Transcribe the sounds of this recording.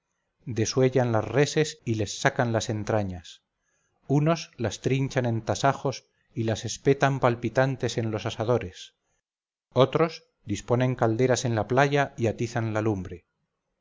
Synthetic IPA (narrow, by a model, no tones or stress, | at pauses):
d̪e̞swe̞ʎanlasre̞se̞sile̞sːakanlase̞nt̪ɾaɲas | uno̞zlast̪ɾiɲt͡ʃanẽ̞nt̪asaxo̞s | ilase̞spe̞t̪ampalpit̪ant̪e̞se̞nlo̞sasaðo̞ɾe̞s | o̞t̪ɾo̞z | d̪ispo̞ne̞ŋkald̪e̞ɾase̞nlaplaʝaiat̪iθanlalumbɾe̞